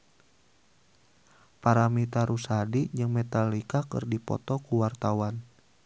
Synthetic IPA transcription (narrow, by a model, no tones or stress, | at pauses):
paɾamit̪aɾʔusadid͡ʒɨŋmɛt̪alikakɨ̰rdipɔ̰t̪ɔkuwart̪awan